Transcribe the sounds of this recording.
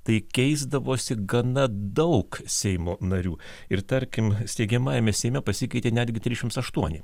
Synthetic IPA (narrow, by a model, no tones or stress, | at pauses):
t̪ɐɪkʲɛɪzd̪ɐʋoːsʲɪɡɐnɐd̪ɐʊksʲɛɪmoːnɐɾʲuː | ɪɾt̪ɐɾʲkʲɪmsʲt̪ʲɛɪɡʲɛmɑːjɛmʲɛsʲɛɪmʲɛpɐsʲɪkɐɪt̪ʲeːnʲæːd̪ʲɡʲɪt̪ʲɾʲiːzʲɪʃʲɪmt̪sɐʃt̪uɔnʲɪ